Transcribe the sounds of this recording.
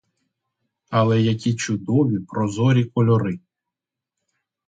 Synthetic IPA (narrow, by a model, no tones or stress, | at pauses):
ɐlˠɛjɐkʲit͡ʃʊd̪ɔʋʲipɾɔzɔɾʲikɔlʲɔɾɪ